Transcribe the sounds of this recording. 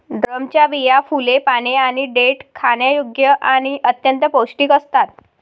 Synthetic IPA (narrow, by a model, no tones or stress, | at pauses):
d̪ʱɾəmt͡ɕjabijafulepaɽ̃eaɽ̃iɖeʈkʰaɽjajoɡjəʔaɽ̃iʔət̪jənt̪əposʈiːkəst̪at̪̚